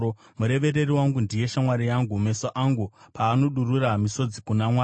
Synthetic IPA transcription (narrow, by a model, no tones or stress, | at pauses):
o | muɾe̞ʋe̞ɾe̞riwaŋɡundije̞ʃamwaɾijaŋɡume̞soʔaŋɡupaːno̞ɗururamiso̞d͡zikunamwaː